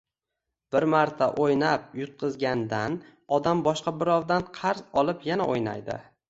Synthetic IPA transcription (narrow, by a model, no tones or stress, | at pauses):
b̥ɪɾmaɾt̪ʰaʔojnap̚jʊt̪̚qʰɨzɡʲand̪an | ɒd̪ambɒʃqɑbɪɾɒwd̪anqʰɑɾzɒlˠɪpjanaʔojna̰jd̪ɪ̰